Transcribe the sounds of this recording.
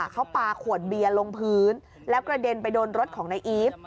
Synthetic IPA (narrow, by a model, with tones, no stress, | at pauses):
kʰa˦˥wpaː˧kʰu˨˩ət̪̚bi˧ɐlo˧ŋpʰɯː˦˥n | lɛː˦˥wkɾa˧de˧npa˧jdoː˧nɾo˦˥t̪̚kʰɔː˩˦ŋna˧jʔiː˦˥p̚